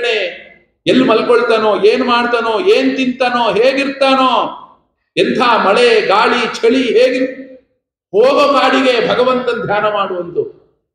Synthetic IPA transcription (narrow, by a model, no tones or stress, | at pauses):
ne | elːmɐlkoɭt̪anoːeːnumaːɽt̪anoːeːnt̪int̪aːnoːɦeːɡiɾt̪aːnoː | ent̪ʰaːmɐɭeɡaːɭit͡ʃʰɐɭiɦeːɡi | hoːɡɐmaːɽiɡe̞bʱɐɡɐʋɐnt̪ɐnd̪ʱjaːnɐmaːɽuʋɐnt̪u